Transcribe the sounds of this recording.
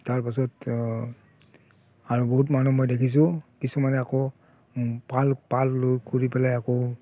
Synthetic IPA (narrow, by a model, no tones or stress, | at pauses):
taɹpas̬ɔt | aɹubɔɦutmanumojdekʰis̬ʊ̃kisumanɛakɔ | palpalːojkoɹipɛlajakɔ